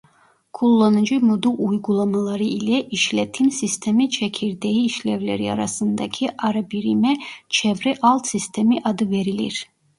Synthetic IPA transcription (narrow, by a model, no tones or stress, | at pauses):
kʰulˠːanɨd͡ʒimud̪uujɡulˠamalˠaɾiʔilɛʔiʃlɛt̪ʰinsist̪ʰɛmit͡ʃʰɛkʲʰiɾd̪ɛiːʃlɛvlɛɾia̰ɾa̰sɯnd̪akʰiʔaɾabiɾimɛt͡ʃʰɛvɾɛʔɑlˠt̪sist̪ʰɛmiʔad̪ɯvɛɾilḭɾ